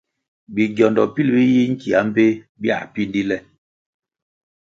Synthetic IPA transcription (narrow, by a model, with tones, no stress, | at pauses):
bi˨ɡjɔ˨ndɔ˨pi˦lbi˦ji˦ŋ̩˦ki˨a˦m̩˦pe˦ | bja̰˦˨pi˦ndi˦lɛ˦˨